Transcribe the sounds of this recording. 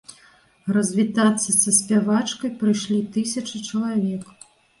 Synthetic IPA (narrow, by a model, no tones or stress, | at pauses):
rɐzʲvʲit̪at̪sːɐsɐsʲpʲavat͡ʂkɐjpɾɨjʂlʲit̪ɨsʲɐt͡ʂɨt͡ʂɐlˠavʲɛk